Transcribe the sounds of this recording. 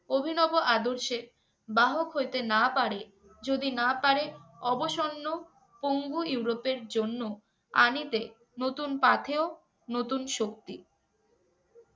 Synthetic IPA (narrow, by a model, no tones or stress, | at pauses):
obʱinɔboʔad̪oɾʃe | baɦokɦojt̪enapaɾe | d͡ʑod̪inapaɾeɔboʃonːo | poŋɡuiwɾopeɾd͡ʑonːo | a̰nit̪e | not̪unpat̪ʰeo | not̪unʃok̚t̪i